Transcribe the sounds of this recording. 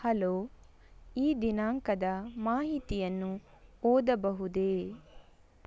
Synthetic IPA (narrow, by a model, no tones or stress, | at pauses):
hɐloː | iːd̪inaːŋkɐd̪ɐmaːɦit̪ijɐnːu | oːd̪ɐbɐɦud̪eː